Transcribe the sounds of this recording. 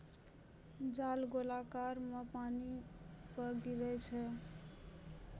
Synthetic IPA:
d͡ʒalɡolakaɾməpanipəɡiɾɛt͡ʃʰɛ

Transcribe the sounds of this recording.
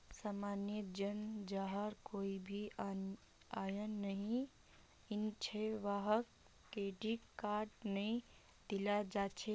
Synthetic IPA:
samanjəd͡ʒənd͡ʒaɦəɾkoibʱi | ajənːəɦĩ | int͡ʃʰɛʋaɦəkː | eɖikkːaʈnəj | d̪̥ilad͡ʒat͡ʃʰe

